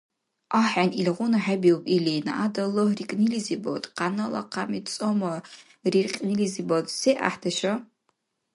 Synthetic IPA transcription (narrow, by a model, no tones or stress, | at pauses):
ʔaħanilʁʷʊnaħabiwpʼilina̰adɐlorikʼnilizibo̰wtʼqɑnɐlɐ̰qʰamit͡sʼomɐ | rirqʲʼnilizibowtʼsejʔa̰ħdɐʃɐ